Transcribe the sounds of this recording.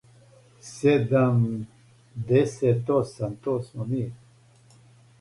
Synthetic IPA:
sed̪ɐm | d̪eset̪osɐnt̪osmomi

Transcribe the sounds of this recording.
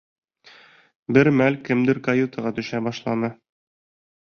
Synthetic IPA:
bɘɾmælkɘ̆md̪ɘɾkɐjut̪əʁɑt̪ɵ̆ʃæbɒʃlˠɑnɤ

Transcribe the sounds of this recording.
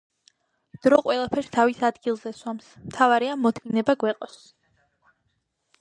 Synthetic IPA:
d̪̥ɾɔqʼwɛlˠapʰɛɾst̪ʰavisad̪ɡilˠzɛswamsmt̪ʰavaɾɛamːɔt̪ʰɡinɛbaɡwɛqʼɔs

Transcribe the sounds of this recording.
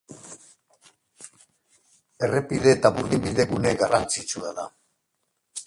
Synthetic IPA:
e̞repiðe̞ːt̪aβuɾɣimbiðe̞ɣuneɡarant͡sit͡suaða̰

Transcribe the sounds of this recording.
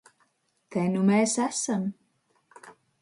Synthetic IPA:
t̪ʰejnumɛːsæsam

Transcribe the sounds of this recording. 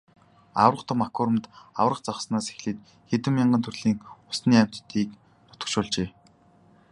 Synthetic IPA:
a̰wə̆rə̆qt̪ʰʊ̆makʰʊːɾə̆mt̪a̰wə̆rə̆qt͡sɔχsnaːse̥xɮiːt̪ | xet̪ɘ̆mjaɴɢənt̪ʰɵrɮiːŋʊsniːæm̥t̪t̪ːiːk | nɔt̪ə̆kʃʊːɮt͡ɕeː

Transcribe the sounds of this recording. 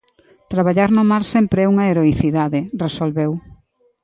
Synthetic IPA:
t̪ɾaβaʎaɾnomalsɛmpɾeɛuŋɐeɾoiθiðaðɪresolβew

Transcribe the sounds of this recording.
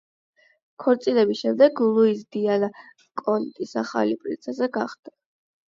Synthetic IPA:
kʰɔɾt̪sʼilɛbisʃɛmd̪ɛɡlˠuisd̪iala | kʼɔnt̪ʼisaχa̰lipʼɾit̪sʰɛsɛɡa̰χd̪̥a

